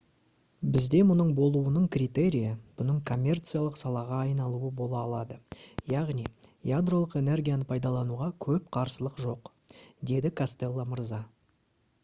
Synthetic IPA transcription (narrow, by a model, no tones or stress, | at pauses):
bɪzd̪e̞mʊnəɴbo̞lˠuwənəɴkrʲit̪e̞ɾʲijab̥ʊnəɴkʰo̞mʲːe̞rt̪sɨjalˠəqsɑlˠɑʁɑːjnɑlˠuəbo̞lˠɑːlˠɑd̪əjɑʁnijjad̪ro̞lˠəqe̞ne̞rɡʲijanəpʰɑjd̪ɑlˠɑnuʁɑkʲʰɵpqʰɑɾsəlˠəqʒo̞q | d̪e̞d̪ɪkʰast̪e̞lˠːaməɾzɑ